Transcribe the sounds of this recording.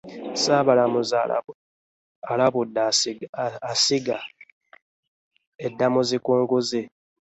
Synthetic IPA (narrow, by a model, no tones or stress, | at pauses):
saːβalamuza̰ | alaβudːa | asiɡa | edːamuzikuːŋɡuze